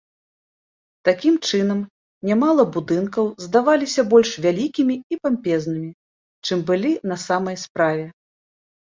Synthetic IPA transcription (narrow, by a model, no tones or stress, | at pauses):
t̪akʲimt͡ʂɨnɐm | nʲamalˠɐbud̪ɨnkɐwzd̪avalʲisʲɐbɔlʲʂvʲalʲikʲimʲiipampʲɛznɨmʲi | t͡ʂɨmbɨlʲinɐsamɐjspɾavʲɛ